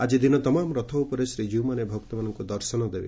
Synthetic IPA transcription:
ad͡ʒid̪inɔt̪ɔmamɾɔt̪ʰɔupɔɾesɾid͡ʒiwmanebʱɔk̚t̪ɔmanɔŋkud̪ɔɾsɔnɔd̪ebḛ

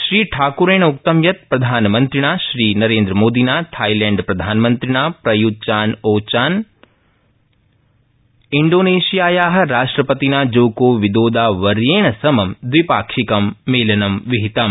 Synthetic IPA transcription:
ʃɾiːʈʰaːkuɾeːɳuk̚t̪ɐmjɐt̪̚pɾɐd̪ʱaːnɐmɐnt̪ɾiɽ̃aːʃɾiːnɐɾeːnd̪ɾɐmoːd̪ʱinaːt̪ʰaːjleːɳɖpɾɐd̪ʱaːnmɐnt̪ɾiɽ̃aːpɾɐjut͡ʃaːnoːt͡ʃaːn | iɳɖoːneːʃijaːjaːɦɐ̆ɾaːʂʈɾɐpɐt̪inaːd͡ʒoːkoːʋid̪oːd̪aːʋɐɾjeːɳɐsɐmɐmd̪ʋipaːkʃikɐmːeːlɐnɐmʋiɦit̪ɐm

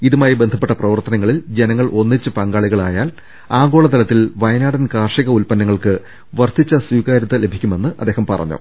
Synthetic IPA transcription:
iðumaːjibend̪ʱɐpːeʈːɐprɐʋɐrt̪ɐnɐŋːɐɭild͡ʑe̞nɐŋːɐɭʔo̞nːit͡ɕːɨpɐŋɡaːɭiɣɐɭaːjaːl | aːɡo̞ːɭɐt̪ɐlɐt̪ːilʋɐjnaːɽɐnkaːrʂiɣɐulpɐnːɐŋːɐɭkɨ | ʋɐrt̪ʰːit͡ɕːɐswiːɣaːɾɐt̪ːɐle̞bʱikʲːume̞nːɨʔɐ̰d̪ːeːhɐmpɐrɐ̰ɲːṵ

